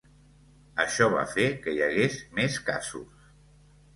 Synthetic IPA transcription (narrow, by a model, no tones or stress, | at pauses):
əʃɔβ̞a̰fekəjəɣezmeska̰zṵs